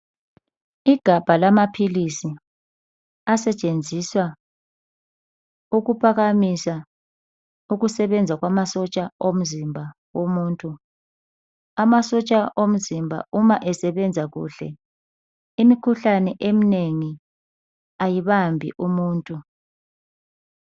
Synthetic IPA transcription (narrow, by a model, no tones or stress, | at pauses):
iɡ̥ʱab̥ʱalamapʰilisi | asɛt͡ʃʼend͡zʱiswa | uɣupʰaɣamisa | uɣusɛβɛnd͡zʱaɣwamasɔt͡ʃʼaom̩zimbʱa | womuːntʼu | amasɔt͡ʃʼaʔom̩zimbʱa̰umaʔɛsɛβɛnd͡zʱaɣṵːɬɛ̰ | imikʰuɬanɛʔemineŋi | ajiβambʱḭʔumuːntʼu